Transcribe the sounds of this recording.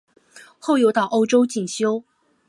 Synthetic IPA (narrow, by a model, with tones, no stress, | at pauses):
xo˥˩ʊjo˧˥ʊt̪ɑ˨˩ʊʔo˥ʊʈ͡ʂo˥ʊt͡ɕi˨˩ŋɕjo˥ʊ